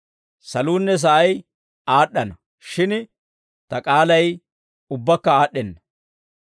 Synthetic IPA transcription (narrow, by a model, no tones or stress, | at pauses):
sɐluːnːɛs̬ɐʔɐj | aːɗːɐnɐ | ʃɪn | t̪ɐkʼaːlɐj | ʊbːɐkːɐaːɗːɛnːɐ